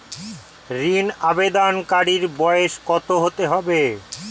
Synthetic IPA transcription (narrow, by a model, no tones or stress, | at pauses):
ɾinabed̪ankaɽiɾbɔeʃkɔt̪oɦot̪eɦɔbe